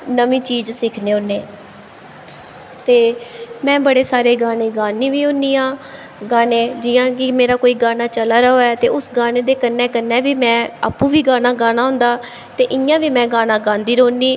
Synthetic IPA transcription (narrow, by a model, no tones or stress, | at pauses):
nəʋĩːt͡ʃiːd͡ʒsɪkʰneːʊnːeː | t̪eːmɛ̃ːbəɽeːsaːɾeːɡaːneːɡaːniːʋiːɦʊ̃niːãː | ɡaːnẽːd͡ʒɪjãːkɪmeːɾaːkoːiːɡaːnaːt͡ʃəlaːɾəɦoːɛːt̪eːʊsɡaːneːd̪eːkənːɛːkənːɛːʋiːmɛ̃ːa̰ːpũːʋiːɡaːnãːɡaːnaːɦʊ̃nd̪aː | t̪eːʔɪjãːʋiːmɛ̃ːɡaːnãːɡãːnd̪iːɾõːniː